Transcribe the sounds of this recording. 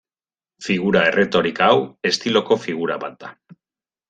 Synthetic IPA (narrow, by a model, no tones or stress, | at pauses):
fiɣuɾae̞re̞t̪o̞ɾikaawe̞st̪ilo̞ko̞fiɣ̞uɾa̰βa̰t̪̚d̪a